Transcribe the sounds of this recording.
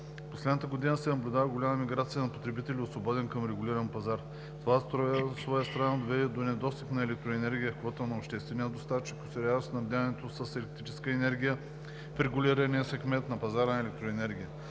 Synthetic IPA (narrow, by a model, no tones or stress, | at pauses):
poslɛd̪ət̪əɡod̪inəsɛnɐblʲʊd̪avəɡolʲamɐmiɡɾat̪sijənɐpot̪ɾɛbit̪ɛliosvobɔd̪ɛnkɐmɾɛɡʊlʲiɾɐnpɐzaɾ | t̪ovast̪ɾɔsvɔjəst̪ɾɐnad̪ovɛd̪ɛd̪onɛd̪ɔst̪ipnɐɛlɛk̚t̪ɾoɛnɛɾɡʲijəkvɔt̪ənɐopʃt̪ɛst̪vɛnijəd̪ost̪at͡ʃikosɛɾʲalosnɐvd̪ʲanɛt̪osəsɛlɛk̚t̪ɾit͡ʃɛ̥skəɛnɛɾɡʲijə | fɾɛɡʊlʲiɾɐniəsɛkmɛnt̪nɐpɐzaɾnɐɛlɛk̚t̪ɾoɛnɛɾɡʲijə